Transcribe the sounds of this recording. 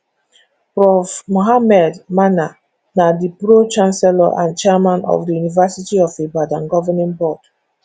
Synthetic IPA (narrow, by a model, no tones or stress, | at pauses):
pɹɔfmoɦamɛdmana | nadibɾot͡ʃãnsɛla̰ʔã̰nt͡ʃɛmãnɔ̰fdijunivasitiɔfebadãnɡɔvɛnĩnbɔd